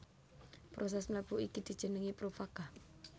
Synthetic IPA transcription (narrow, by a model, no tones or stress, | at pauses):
pɾos̬ɛsmlab̥ṳiɡ̥id̪̥i̤d̥ʒ̥ə̤nəŋipɾofaɡ̥a